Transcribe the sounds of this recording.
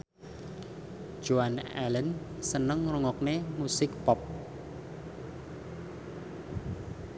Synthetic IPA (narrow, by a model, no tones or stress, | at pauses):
d͡ʒ̥oanɛ̰lən | sənəŋruŋɔk̚nemusɪk̚pɔp̚